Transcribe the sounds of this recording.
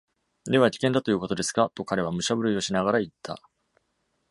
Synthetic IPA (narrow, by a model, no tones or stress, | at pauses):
d̪e̞βakʲi̥kẽnd̪at̪o̞jɯ̟ːko̞t̪o̞d̪e̞sɨ̥kat̪o̞kaɾe̞β̞amɯ̟ɕabɯɾɯ̟io̞ɕinaɡaɾait̪ʰːa̰